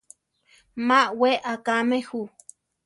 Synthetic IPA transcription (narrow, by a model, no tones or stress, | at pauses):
maʔweʔakamehu